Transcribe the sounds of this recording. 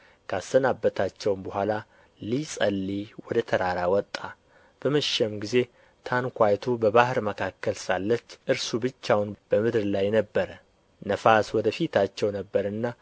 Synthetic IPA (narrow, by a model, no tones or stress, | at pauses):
kʰasːənabːət̪ʰat͡ʃːɛwmbəhʷala | lisʼəlːiwɔd̪ət̪ʰəɾaɾawɔt̪ʼːa | b̥əməʃɛmɡize̞ | t̪ʰankʷajt̪ʰubəβahɨɾməkʰakːəlsalːət͡ʃːʔɨɾsubɨt͡ʃːawnb̥əmɨd̪ɾlajnəbːəɾə | nəfaswɔd̪əfit̪ʰat͡ʃːɛwnəbːəɾɨnːa